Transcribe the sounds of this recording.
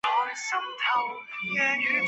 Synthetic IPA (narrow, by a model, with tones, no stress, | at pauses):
ɔː˨˩jsɐ˥mt̪ʰɐ˨˩w | jœː˧nyː˨˧